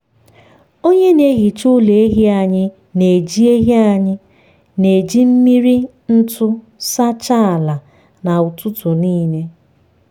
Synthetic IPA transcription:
o˦ɲe˦ne˦ɣi˨t͡ʃʊ˦le˨e˦ɦi˦a˨ɲɪ˦ | ne˨d͡ʒi˦e˦ɦi˦a˨ɲɪ˦ | ne˨d͡ʒi˦m̩˦mi˦ɾi˦ | n̩˦tʊ˦ | sa˦t͡ʃa˦a˨la˨ | na˨ʊ˨tʊ˦tʊ˨niː˦ne˦

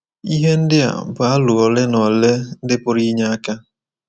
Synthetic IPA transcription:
i˦ɦe˦n̩˦dɪ˦a̰˨bʊ˨a˦lʊ˨ɔ˨lɪ˦nɔ˨le˦n̩˦dɪ˦pʊ˦ɾi˦ɲa˦a˦ka˦

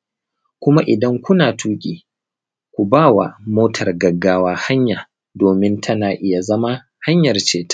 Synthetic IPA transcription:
kʷʊ˦ma˦ʔɪ˨dɐ˦ŋkʷʊ˦naː˨tʰuː˦kʲʼiː˨ | kʷu˨baː˦˨wa˨moː˦tʰɐ˨rɡɐ˨ɡːaː˦waː˦ha˦ɲjaː˨ | doː˨mɪ˦ntʰɐ˦naː˨ʔɪ˦ja˨zɐ˦ma˦ | ha˦ɲjɐ˨rt͡ʃeː˨tḁ˦

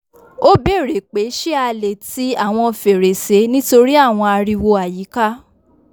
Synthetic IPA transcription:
o˦be˦˨ɾe˨k͡pe˨˦ʃe˦a˧le˨ti˨˦a˦˨w̃ɔ̃˧fe˨ɾe˨se˨˦nĩ˦to˧ɾi˦a˦˨w̃ɔ̃˧a˧ɾi˧wo˧a˨ji˨˦ka˦

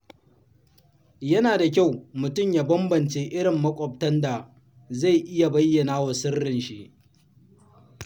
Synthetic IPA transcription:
jɐ˦naː˨da˨kʲa˦˨wmʊ˨tʊ˦mjaː˦bɐ˦mbɐ˨nt͡ʃeː˦ʔɪ˦ɽɪ˨mːɐ˦kʷʼɔ˨p̚tɐ˦nda˨ | za˦˨jʔɪ˦ja˨bɐ˦jːɐ˨naː˦wa˨sɪ˦rːɪ˨nʃi˦ʔ

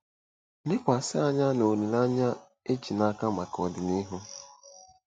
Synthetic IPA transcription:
lɪ˦kʷa˨sɪ˦a˦ɲa˦no˨ɾi˨la˦ɲa˦ | e˦t͡ʃi˨na˦ka˦ma˨kɔ˨dɪ˨ni˦ɦʊ˦

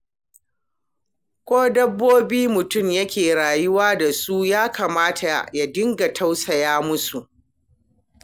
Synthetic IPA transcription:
kʷoː˦dɐ˦bːoː˦biː˦mʊ˨tʊ˦mjɐ˦kʲeː˨ɽaː˨jʊ˦waː˦da˨su˦jaː˦kaː˨maː˦tʰa˨ja˨dɪ˦ŋɡa˨tʰa˦wsɐ˨jaː˦mʊ˦su˨ʔ

